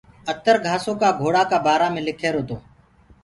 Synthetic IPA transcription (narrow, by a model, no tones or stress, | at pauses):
ət̪əɾɡʱaːsõːkaːɡʱoːɽaːkaːbaːɾaːmẽːlɪkʰeːɾoːt̪oː